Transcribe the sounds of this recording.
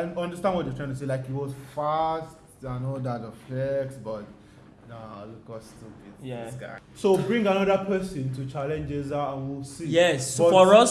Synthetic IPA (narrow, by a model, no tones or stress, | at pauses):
aʌ̃ndəstãnwɔt̚dɛtʰɹ̥ãɪ̃ntuselaɪkiwɔzfast | ãɪnodadəfɛk̚tbʌt̚ | naa̰lukɔstubitsɡa̰sobɹĩŋɡanɔðəpʰɜsə̃ntʰut͡ʃalɛ̃nd͡ʒezaãnwilsiɛsbɔɔɹɔ̃